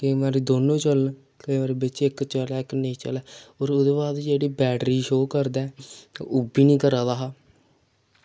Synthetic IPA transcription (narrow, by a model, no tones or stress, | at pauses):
kemãːɾiːd̪oːnõːt͡ʃəl | kəiːʋaːɾebɪt͡ʃɪkt͡ʃəlɛːɪknə̃ĩːt͡ʃə̰lɛːoːɾʊd̪eːbaːd̪d͡ʒeːɽiːbɛːʈɾiːʃoːkəɾd̪ɛ̰ːʊbiːnĩːkəɾaːd̪aːɦaː